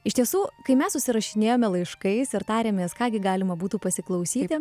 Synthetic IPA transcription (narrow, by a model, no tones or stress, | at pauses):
ɪʃt̪ʲiɛsuːkɐɪmʲɛssʊsʲɪɾɐʃʲɪnʲeːjoːmʲɛlˠɐɪʃkɐɪsɪɾt̪ɑːɾʲeːmʲeːskɑːɡʲɪɡɑːlʲɪmɐbuːt̪uːpɐsʲɪklˠɐʊsʲiːt̪ʲɪ